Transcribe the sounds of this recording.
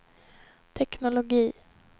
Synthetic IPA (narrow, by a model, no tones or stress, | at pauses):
t̪ʰɛknʊlʊɡiː